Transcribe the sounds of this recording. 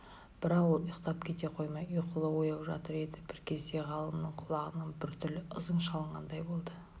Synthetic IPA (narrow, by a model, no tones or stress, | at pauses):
b̥ɪɾɑqwolˠjʊqt̪ɑpkʲʰe̞t̪e̞qʰo̞jmɑjʏjqʰʊlˠəwo̞jɑwʒɑ̰t̪əɾe̞d̪ɪb̥ɪɾkʲʰe̞zd̪e̞ʁɑlˠəmnəɴqʰʊlˠɑʁənəɴbɪɾt̪ʰʏlɪʔəzəɴʃɑlˠəɴʁɑnd̪ɑjbo̞lˠd̪ə